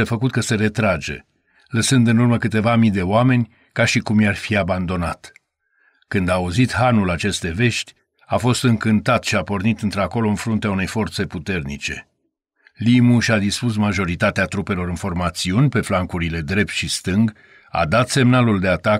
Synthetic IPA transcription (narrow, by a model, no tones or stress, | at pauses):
efəkut̪̚kəse̞ɾe̞t̪ɾad͡ʒe̞̰ | ləsɨnd̪ɨnurməkɨt̪e̞vamid̪e̞oame̞nʲ | kaʃikumjarfiaband̪o̞nat̪ | kɨnd̪aːuzit̪hanulat͡ʃe̞st̪e̞ve̞ʃt̪ʲ | afo̞st̪ɨŋkɨnt̪at̪ʃiapo̞rnit̪ɨnt̪ɾako̞lo̞ɨnfɾunt̪eaune̞jfo̞rt̪se̞put̪e̞rnḭt͡ʃe̞̰ | limuʃad̪ispusmaʒo̞ɾit̪at̪eat̪ɾupe̞lo̞ɾɨnfo̞rmat̪siunʲpe̞flaŋkuɾile̞d̪ɾe̞p̚t̪ʃist̪ɨŋɡ | a̰d̪at̪se̞mnaluld̪e̞at̪ak